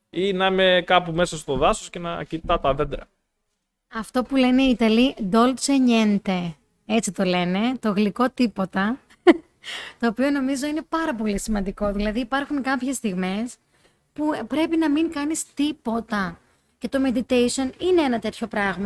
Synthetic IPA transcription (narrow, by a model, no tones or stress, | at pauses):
inɐimekɐpume̞sɐst̪oðɐsosce̞nɐ̰cit̪ɐt̪ɐðe̞d̪ɾɐ | ɐft̪o̞pule̞ne̞it̪ɐlid̪o̞lt͡seɲe̞nt̪e̞ | e̞t͡sit̪o̞le̞ne̞t̪o̞ɣliko̞t̪ipo̞t̪ɐ | t̪o̞ːpiono̞mizo̞ine̞pɐɾɐpo̞lisimɐnd̪iko̞ðilɐðiːpɐɾxuŋkɐpçe̞st̪iɣme̞s | pupɾe̞pinɐmiŋkɐnist̪ipo̞t̪ɐ | ce̞t̪o̞me̞d̪it̪ejsio̞nine̞enɐt̪e̞t̪ço̞pɾɐɣmɐ